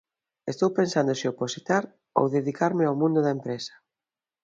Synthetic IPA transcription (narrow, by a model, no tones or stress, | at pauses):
est̪owpensand̪ʊsɪoposit̪aɾ | o̰wðeðikaɾmɪawmũnd̪ʊðɐempɾesɐ̥